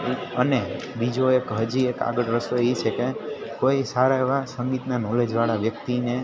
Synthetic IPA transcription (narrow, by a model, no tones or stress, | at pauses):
əne | bid͡ʒoekɦəd͡ʒieka̰ɡəɽɾəsoit͡ʃʰekekoisaɾaeʋasəŋɡit̪nanɔled͡ʒʋaɭaʋjək̚t̪ine